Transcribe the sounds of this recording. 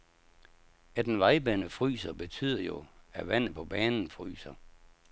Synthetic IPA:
æd̥enʋɑ̈ɪb̥ænəfʁy̰ːsɐb̥e̝t͡sʰy̰ːð̰ˠɐjo̝æʋæn̰ð̩ˠpʰɒ̽b̥ɛːnn̩fʁy̰ːsɐ

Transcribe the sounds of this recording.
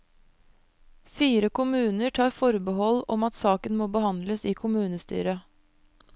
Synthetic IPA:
fiːɾəkʊmʉːnəʈʰɑːɾfɔɾbəɦɔlɔmɑt̪sɑːkənmoːbəhɑnd̪ləsiːkʰʊmʉːnəst̪y̰ːɾə

